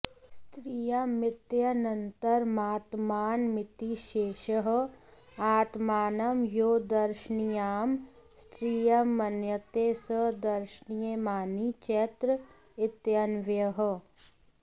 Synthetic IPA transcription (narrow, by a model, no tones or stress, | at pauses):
st̪ɾiːjɐmɪt̪jɐnɐnt̪əɾmaːt̪maːnmɪt̪iʃeːʃəɦ̆ | aːt̪maːnɐmjoːd̪ɐɾʃnijaːm | st̪ɾiːjɐmɐnjət̪eːsəd̪ɐɾʃnijemaːnit͡ʃet̪ɾə | ɪt̪jɐnʋjɐɦə̆